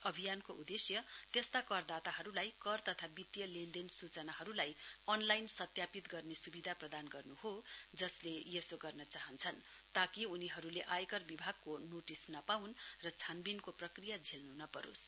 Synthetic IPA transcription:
ʌbʱijankoud̪esjʌt̪est̪akʌrd̪at̪aɦʌɾulajkʌrt̪ʌt̪ʰabit̪jʌlend̪ensut͡sʌnaɦʌɾulajʌnlajnsʌt̪japit̪ɡʌrnesubid̪ʱaprʌd̪anɡʌrnuɦod͡zʌslejesoɡʌrnʌt͡saɦʌnt͡sʰʌn | t̪akiuniɦʌɾuleʔajkʌrbibʱaɡ̚konoʈisnʌpawnrʌt͡sʰanbinkoprʌkrijad͡zʱelnunʌpʌɾo̰s

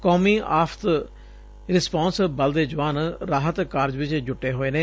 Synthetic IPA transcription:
koːmiːʔaːpʰt̪ | ɾɪspãːnsbəld̪eːd͡ʒʊʋaːnɾaːɦət̪kaːɾd͡ʒʋɪt͡ʃd͡ʒʊʈːeːɦoːeːnẽː

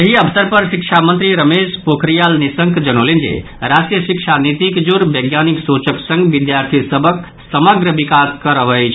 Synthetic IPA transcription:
jəɦiəʋsəɾpəɾsikt͡ʃʰamənt̪ɾiɾəmespokʰɾijalnisəŋkd͡ʒənolind͡ʒḛ | ɾasʈɾijəsikʃʰanit̪ikd͡ʒuɾbəɡjaniksut͡ʃəksə̃ŋɡʋid̪jaɾt̪ʰisəbʱək | səməɡɾəʋikaskəɾəʋəjt͡ʃʰ

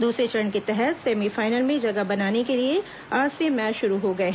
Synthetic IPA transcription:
d̪uːsɾet͡ʃɾɾənket̪ɛɦɛt̪seːmifaːɪnəlmẽd͡ʒɐɡabɐnaːnekelie | aːd͡ʒsemɛːt͡ʃʃʊɾuɦoɡɐeɦ

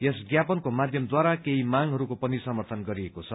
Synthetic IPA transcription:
jesɡjapʌnkomad̪ʱjʌmd̪waɾakeimaŋɦʌɾukopʌnisʌmʌrt̪ʰʌnɡʌɾiekot͡sʰʌ

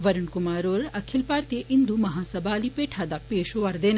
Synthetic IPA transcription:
ʋɐɾɐɳkumaːɾoːɾɐkʰilpaːɾt̪eʔind̪umɐɦaːsɐbʱaːlipeːʈʰaːd̪apeːʃoʋɐɾd̪eːn

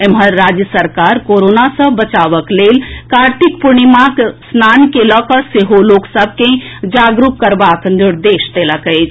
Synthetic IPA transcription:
emɦəɾːaːd͡ʒjəsəɾkaːɾkoɾoːnasə̃bət͡ʃaːʋəkleːlkaːɾʈ̪ʰikpuɾnimaksnaːnkeləkəseɦoloːksəb̚ʱked͡ʒaːɡɾukkəɾbaːknɪɾd̪eːʃt̪eːləkəɪd͡ʒ

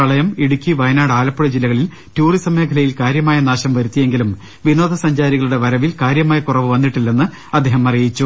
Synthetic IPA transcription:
ɐɭɐjɐmiɽukʲːiʋɐjnaːɽaːlɐpːɐɽɐd͡ʑilːɐɣɐɭil | tuːrisɐmːeːkʰɐlɐjilkaːɾjɐmaːjɐnaːɕɐmʋɐɾut̪ːije̞ŋɡilum | ʋinoːd̪ɐsɐɲd͡ʑaːɾiɣɐɭuɽe̞ʋɐɾɐʋilkaːɾjɐmaːjɐkurɐʋɨʋɐnːiʈːilːe̞nːɨ | ɐd̪ːeːɦɐmɐrijit͡ɕːu

